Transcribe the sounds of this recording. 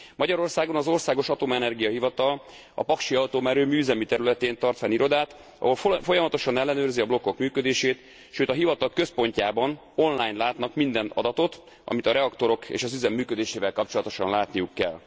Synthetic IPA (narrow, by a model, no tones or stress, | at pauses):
mɒɟɒɾo̞rsaːɡo̞nɒzo̞rsaːɡo̞ʃɒt̪omɛnɛrɡijɒɦivɒt̪ɒl | ɒ̰pɒkʃiɒlt̪oːmɛɾøːmyːzɛmit̪ɛɾylɛt̪eːnt̪ɒrt̪fɛniɾo̞d̪aːt̪ | ɒ̰ɦo̞lfo̞jɒmɒt̪o̞ʃɒnɛlːɛnøːrziɒblo̞kːo̞kmyːkød̪eːʃeːt̪ | ʃøːt̪ɒɦivɒt̪ɒlkø̞spo̞ɲcaːbɒn | o̞nlaːjnlaːt̪nɒkmind̪ɛnɒ̰d̪ɒt̪o̞t̪ | ɒ̰mit̪ɒɾɛɒkt̪o̞ɾo̞kḛːʃɒzyzɛmːyːkød̪eːʃeːvɛlkɒpt͡ʃo̞lɒt̪o̞ʃɒnlaːt̪nijukːɛ̰l